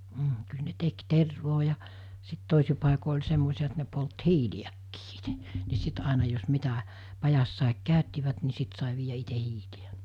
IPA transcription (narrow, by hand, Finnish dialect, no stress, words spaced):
m̩ kyl ne tek terʋoː jɑ sit toˑisi pɑˑiko olʲ semːosiɑ et ne polt hiːliækːiː i̥te̥ ni sit ɑˑenɑ jos mitæ pɑjɑsːɑˑik kæˑøtːiʋæt ni sit sɑˑe ʋiːjæ ite hiːliæ